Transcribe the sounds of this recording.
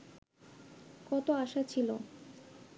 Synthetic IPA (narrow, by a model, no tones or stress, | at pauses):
kɔt̪oaʃat͡ɕʰilo̰